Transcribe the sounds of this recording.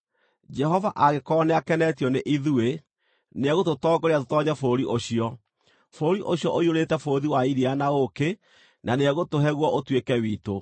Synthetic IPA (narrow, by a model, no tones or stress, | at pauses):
d͡ʒɛɦɔvaʔaɣekɔnɛakɛnɛtiɔneʔiðue | neɛɣototɔːɡoɾeatotɔːɲɛfoːɾiʔoɕiɔ | foɾiʔoɕiɔʔoioɾetɛfoːðiwaiɾianaoke | naneɛɣotoɦɛɣwɔʔotwekɛwiːto